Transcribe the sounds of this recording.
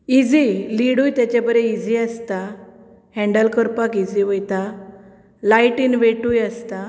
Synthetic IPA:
id͡ziliɽujt̪jat͡ɕabəɾẽid͡ʑiəst̪a | hɛ̃ɳɖəlkəɾpakid͡ziʋəjt̪a | lajʈinʋeʈujəst̪a

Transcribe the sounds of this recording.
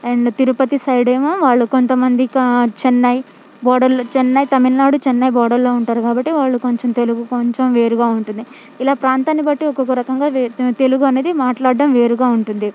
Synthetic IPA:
eɳɖt̪iɾupɐt̪isɐjɽeːmoːʋaːɭːuko̞nt̪ɐmɐnd̪ikt͡ʃenːɐj | bɔːɽɐɾlt͡ʃenːɐjt̪ɐmilnaːɽut͡ʃɛnːɐjbɔːɽɐlo̞ːuɳʈaːɾukaːbɐʈːiʋaːɭːuko̞ɲt͡ʃemt̪e̞luɡukoɲt͡ʃemʋe̞ːɾuɡaːuɳʈund̪i | ilaːpɾaːnt̪aːnibɐʈːiɔkokːɐɾɐkɐŋɡaːt̪e̞luɡuɐne̞ːd̪imaːʈlaːɖːɐmʋe̞ːɾuɡaːuɳʈund̪i

